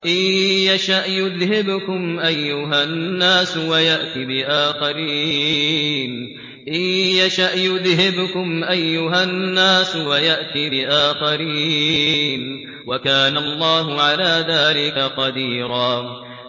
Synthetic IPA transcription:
ʔɪjːaʃaʔjʊðhɪbkʊmʔajːʊɦanːaːswajaʔt̪ibɪʔaːxaɾiː | n | ʔɪjːaʃaʔjʊðhɪbkʊmʔajːʊɦanːaːswajaʔt̪iːbɪʔaːxaɾiː | n | wakaːnalˤːɑːɦʊʕalaːðaːlɪkaqɑd̪iːɾaː

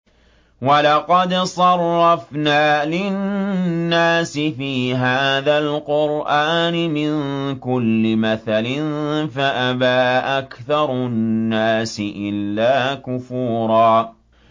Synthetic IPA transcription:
wɑlɑqɑd̪sˤɑrˤːɑfnaːlɪ | nːaːsɪfiːɦaːðalqʊɾʔaːnɪmɪnkʊlːɪmaθalɪnfaʔabaːʔakθɑɾˤnːaːsɪʔɪlːaːkʊfuːɾˤɑː

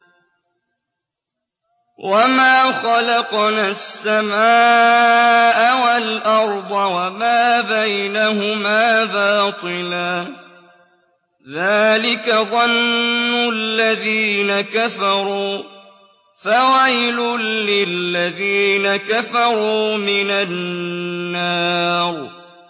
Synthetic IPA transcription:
wʔamaːxɑlɑqnasːamaː | ʔawalʔɑɾˤd̪ˤɑwamaːbajnaɦʊmaːbɑːt̪ˤɨlaː | ðaːlɪkaðˤɑnːʊlːaðiːnakafɑɾˤuː | fawajlʊlɪlːaðiːnakafɑɾˤuːmɪnanː | ɑːɾ

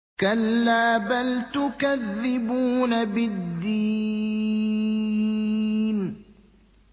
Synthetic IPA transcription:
kalːaːbalt̪ʊkaðːɪbuːnabɪd̪ːi | n

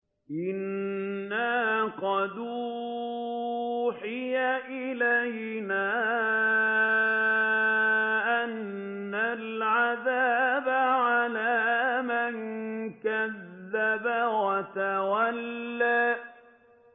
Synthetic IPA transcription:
ʔɪnː | aqɑd̪u | ħɪjaʔɪlaj | naː | ʔanː | alʕaðabaʕalaːmaŋkaðːabawat̪awalːaː

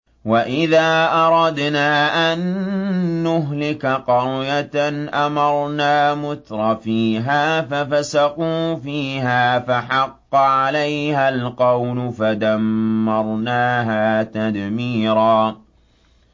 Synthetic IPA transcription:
waʔɪðaːʔɑɾˤɑd̪naːʔanː | ʊɦlɪkaqɑɾjat̪anʔamɑɾˤnaːmʊt̪ɾˤɑfiːɦaːfafasaquːfiːɦaːfaħɑqːʕalajhalqɑwlʊfad̪amːɑɾˤnaːɦaːt̪ad̪miːɾaː

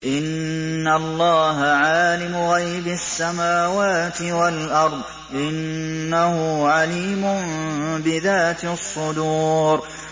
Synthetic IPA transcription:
ʔɪnːalˤːɑːɦaʕaːlɪmʊɣajbasːamaːwaːt̪ɪwalʔɑɾˤðˤ | ʔɪnːahʊʕaliːmʊmbɪðaːt̪sˤːʊd̪uːɾ

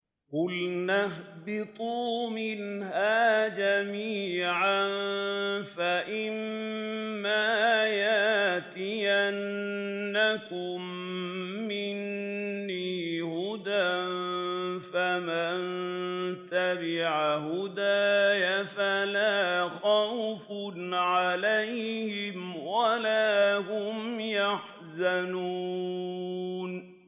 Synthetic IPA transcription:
qʊlnahbɪt̪ˤuːmɪnɦaːd͡ʒamiːʕan | faʔɪmː | aːjat̪ɪjanː | akʊmː | ɪnː | iːhʊd̪anfaman | t̪abɪʕahʊd̪aːjafalaːxawfʊnʕalajhɪmwalaːhʊmjaħ | zanuː | n

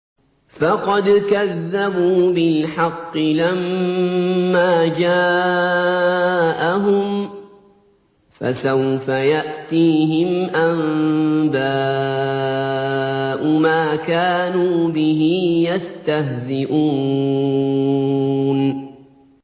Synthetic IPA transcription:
fɑqɑd̪kaðːabuːbɪlħɑqːɨlamː | aːd͡ʒaː | ʔaɦʊm | fa̰sawfajaʔt̪iːɦɪmʔambaː | ʔʊmaːkaːnuːbɪɦɪjast̪aɦzɪʔuː | n

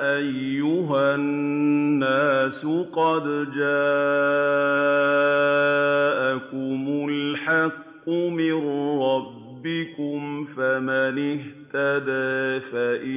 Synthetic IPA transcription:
ʔajːʊɦannːaːsʊqɑd̪d͡ʒaː | ʔakʊmʊlħɑqːʊmɪnɾˤɑbːɪkʊmfamanɪht̪ad̪aːfaʔɪ

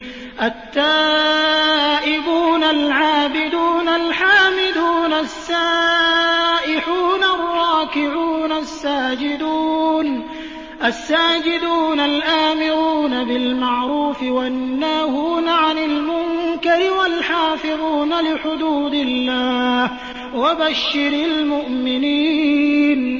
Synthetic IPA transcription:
ʔat̪ːaː | ʔɪbuːnalʕaːbɪd̪uːnalħaːmɪd̪uːnasːa | ʔɪħuːnarˤːɑːkɪʕuːnasːaːd͡ʒɪd̪uːn | ʔasːaːd͡ʒɪd̪uːnalʔaːmɪɾuːnabɪlmaʕɾuːfɪwanːaːhuːnaʕanɪlmʊŋkaɾɪwalħaːfɪðuːnalɪħʊd̪uːd̪ɪlːaːh | wabaʃːɪɾalmʊʔmɪniːn

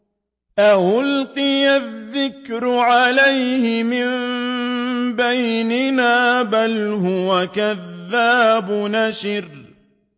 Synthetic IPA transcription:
ʔawʊlqɨjaðːɪkɾʊʕalajhɪmɪmm | bajnɪnaːbalɦʊwakaðːaːbʊnaʃɪɾ

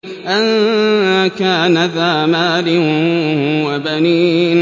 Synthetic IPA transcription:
ʔanakaːnaðaːmaːlɪ | wabaniː

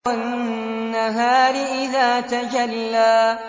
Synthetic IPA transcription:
anːaɦaːɾɪʔɪðaːt̪ad͡ʒalːaː

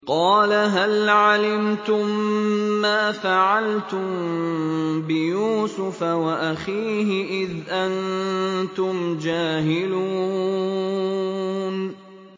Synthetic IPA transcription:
qɑːlaɦalʕalɪmt̪ʊmː | aːfaʕalt̪ʊm | bɪjuːsʊfawaʔaxiːɦɪʔɪðʔant̪ʊmd͡ʒaːɦɪluː | n

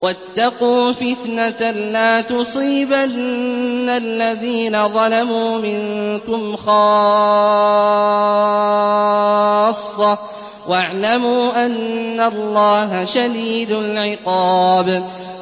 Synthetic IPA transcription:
wat̪ːɑquːfɪt̪nat̪alaːt̪ʊsˤiːbanːalːaðiːnaðˤɑlamuːmɪŋkʊmxɑː | sˤːɑ | waʕlamuːʔanːalˤːɑːɦaʃad̪iːd̪ʊlʕɪqɑːb

